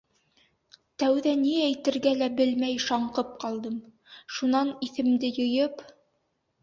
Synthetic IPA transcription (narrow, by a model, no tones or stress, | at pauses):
t̪æwðæniæjt̪ɘ̆ɾɡælæbɘlmæjʃɑɴqɤp̚qɑlˠd̪ɤm | ʃunɑniθɘ̆md̪ɘjɤ̆jɤp